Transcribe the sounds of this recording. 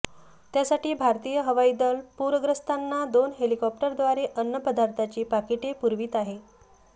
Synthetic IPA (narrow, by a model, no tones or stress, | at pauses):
t̪jasaʈiːbʱaɾt̪iːjəɦəʋaid̪əlpuɾəɡɾəst̪ʰanːad̪onɦelikɔp̚ʈəɾd̪ʋaɾeʔənːəpəd̪aɾt̪ʰat͡ɕiːpakiʈepuɾʋiːt̪aɦe